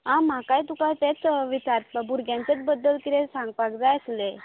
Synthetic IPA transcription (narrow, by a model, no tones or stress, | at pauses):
ɦãm̤akajt̪ukajt̪et͡sʋit͡ɕaɾpabuɾɡʱjãnt͡set͡sbəd̪ːəlkiɾesãŋɡ̚pakd͡zajəsle